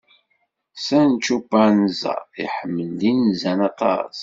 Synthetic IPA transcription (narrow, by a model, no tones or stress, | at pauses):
sænt͡ʃːubəɾnzæ̰iħəmːəld̪inzænɑt̪ˤɑ̰s